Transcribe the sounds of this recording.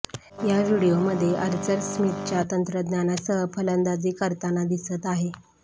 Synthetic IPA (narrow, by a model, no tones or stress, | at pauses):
jaʋiɽijoməd̪ʱːjeʔəɾt͡səɾsmit̪̚t͡ɕjat̪ənt̪ɾəd̪njanasəɦpʰələnd̪ad͡ziːkəɾt̪anad̪isət̪aɦe